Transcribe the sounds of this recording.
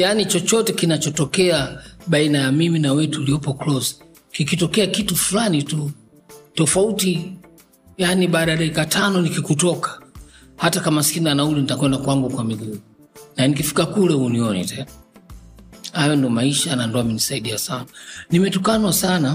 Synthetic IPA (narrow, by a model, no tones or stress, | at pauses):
janit͡ʃɔt͡ʃɔtɛkinat͡ʃɔtɔkɛaɓainajamiminawɛtuːliɔpɔklɔzi̥ | kikitɔkɛakitufulanitu | tɔfauti | janiɓaɗaɾaɛkatʰanɔnikikutɔkḁ | hatakamasi̥kinianaulɛnitakwɛndakwaŋɡukwamiɡuː | nanik̬ifi̥kakulɛhuniɔnḭtʰɛna | hajɔndɔmaiʃanandɔaminisaiɗiasananimɛtukanwasana